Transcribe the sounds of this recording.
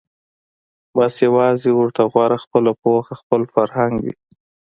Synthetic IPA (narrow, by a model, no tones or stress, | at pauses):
basjawɑzewəɾt̪ʰaɣwɑɾaxpəlapoaxaxpəlfaɾhaŋɡwḭ